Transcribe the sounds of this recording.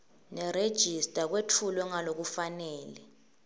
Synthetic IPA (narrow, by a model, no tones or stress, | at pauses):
nɛred̥ʒ̥ʱistʼak̬wetʰulwɛŋalok̬ufanɛːlɛ